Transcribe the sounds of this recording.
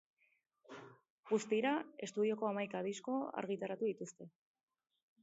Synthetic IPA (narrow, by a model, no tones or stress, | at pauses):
ɣust̪iɾae̞st̪uð̞io̞ko̞amajkaðisko̞a̰ɾɣit̪aɾat̪uðit̪ust̪e̞